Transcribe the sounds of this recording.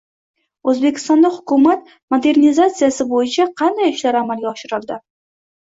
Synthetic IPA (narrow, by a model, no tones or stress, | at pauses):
ɵzbekʲʰɪ̥st̪ɒnd̪ahʊkʰʊmat̪ | mod̪e̞ɾnizat̪sijasɪbojɪt͡ʃʰaqʰɑnd̪ajɪʃlaɾamalɡʲaɒʃɪɾɪlˠd̪ɪ